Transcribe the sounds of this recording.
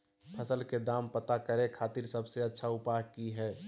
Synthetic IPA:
pʰəsəlked̪aːmpət̪akəɾẽkʰaːt̪iɾsəbseɐtːʃʰaʊpaːɦkiɦɛː

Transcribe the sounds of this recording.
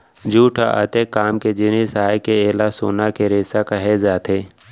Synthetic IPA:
d͡ʒuːʈʰaʔə̰t̪ekːaːmked͡ʒɪnesaːekeeːlaso̰ːnakeɾeːsakɐɦezaːt̪ʰeː

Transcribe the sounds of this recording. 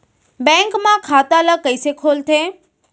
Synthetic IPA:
bɛ̃ŋkmãkʰat̪aləkəjsekʰolt̪ʰe

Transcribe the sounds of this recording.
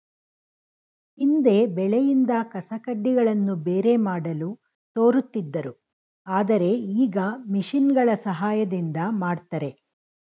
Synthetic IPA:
ind̪e̞ːbɛɭejind̪ɐkɐsɐkɐɖːiɡɐɭɐnːubeːɾe̞maːɽɐlu | t̪o̞ːɾut̪ːid̪ːɐɾu | aːd̪ɐɾe̞iːɡɐmiʂinɡɐɭɐsɐɦaːjɐd̪ind̪ɐmaːɖt̪ɐɾe̞

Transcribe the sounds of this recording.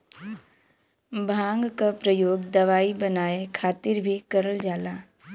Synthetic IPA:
bʱãːŋɡkapɾəjoːɡd̪ɐʋaːibənaːekʰaːt̪ɪɾbʱikəɾəld͡ʒaːlaː

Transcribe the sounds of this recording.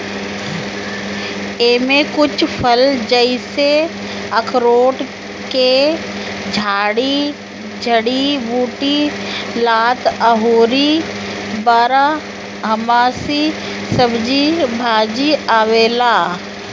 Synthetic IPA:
eːmẽkʊt͡ʃʰpʰəld͡ʒəɪse | əkʰɾoːʈ | ke | d͡ʒʱaːɽi | d͡ʒʱəɽibuːʈilaːt̪əɦoːɾi | bəɾa | ɦəmaːsi | səbd͡ʒibʱaːd͡ʒiaːʋeːlaː

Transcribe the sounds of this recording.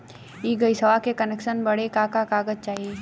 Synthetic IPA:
iːɡɐisɐʋakekɐnɛːkʃənbɐɽekakakaːɡəd͡ʒt͡ʃaːɦie

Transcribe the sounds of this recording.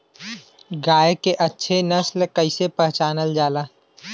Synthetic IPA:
ɡaːekeʔɐtːʃʰenɐslkəɪsepəɦt͡ʃaːnəld͡ʒaːlaː

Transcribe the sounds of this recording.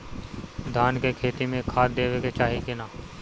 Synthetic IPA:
d̪ʱaːnkekʰeːt̪imẽkʰaːt̪̚d̪eːweket͡ʃaːɦikɪnaː

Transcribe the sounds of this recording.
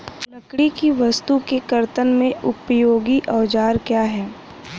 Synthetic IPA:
lɐkɽikiʋɐst̪ukekɐɾt̪ənmẽʔʊpjoːɡiʔɔːʋd͡ʒaːɾkjaːɦɛː

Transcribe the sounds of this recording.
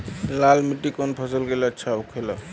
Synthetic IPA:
lalmiʈːikɔnpʰɔsəlɡelaətːʃʰaukʰela

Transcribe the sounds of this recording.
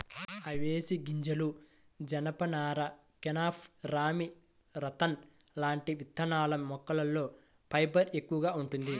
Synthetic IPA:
ɐʋeːsiɡiɲd͡ʒɐlu | d͡ʒɐnɐpɐnaːɾɐ | kɛnaːpʰɾaːmi | ɾɐt̪ɐn | laːɳʈiʋit̪ʰːɐnaːlɐmːɔkːɐlɐlːo̞ː | pɐjbɐɾe̞kːuʋɐɡaːuɳʈund̪i

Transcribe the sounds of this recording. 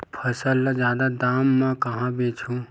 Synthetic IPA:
pʰɐsəlːəd͡ʒjaːd̪ad̪aːmːãkɐɦãbeːt͡ʃʰũ

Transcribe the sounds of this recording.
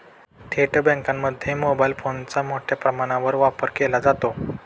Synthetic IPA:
t̪ʰeʈbɛ̃ŋkamːəd̪ʱːjemobailfont͡samoʈʰjapɾəmaɽ̃ãʋəɾʋapəɾkelad͡zat̪o

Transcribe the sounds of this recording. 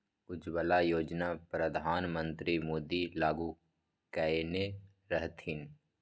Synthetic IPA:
ʊd͡ʒbəlajoːd͡ʒnapɾəd̪ʱaːnmə̃nt̪ɾimoːd̪ilaːɡu | kɛene | ɾəɦt̪ɪn

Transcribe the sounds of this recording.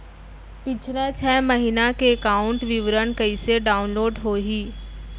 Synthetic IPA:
pɪt͡ʃʰnãt͡ʃʰɛːmɐɦinakeːkaːʊ̃ɳʈʋɪʋɾənkɐiseɖaːʊnloːɖɦoːɦiː

